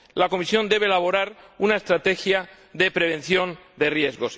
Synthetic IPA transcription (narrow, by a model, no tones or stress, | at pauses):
lako̞misjo̞nd̪e̞β̞elaβ̞o̞ɾaɾunae̞st̪ɾat̪e̞xja | ðe̞pɾe̞β̞ẽ̞n̟θjo̞nd̪e̞rje̞zɣo̞s